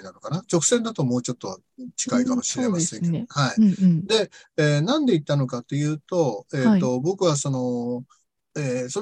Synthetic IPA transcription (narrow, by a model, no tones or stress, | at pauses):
nano̞kanat͡ɕo̞kɯ̟̥sẽnd̪at̪o̞mo̞ːt͡ɕo̞t̪ːo̞βa̰ | t͡ɕi̥kaikamo̞ɕiɾemasẽhaid̪e̞ | eːnãnd̪e̞it̪ːano̞kat̪ːe̞jɯ̟ːt̪o̞eːo̞bo̞kɯ̟βaso̞no̞ | eːso